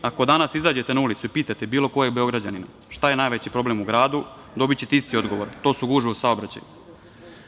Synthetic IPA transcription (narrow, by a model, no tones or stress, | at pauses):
ako̞d̪anasizaːd͡ʑe̞t̪enaulit̪suipiːt̪at̪e̞biːlˠo̞ko̞jebeo̞ɡɾad͡ʑanina | ʃt̪aje̞naːjʋet͡ɕipɾo̞ble̞muɡɾaːd̪u | d̪o̞bit͡ɕe̞t̪eist̪io̞d̪ɡo̞ʋo̞ɾt̪o̞ːsuɡuːʒiosaobɾat͡ɕa̰ju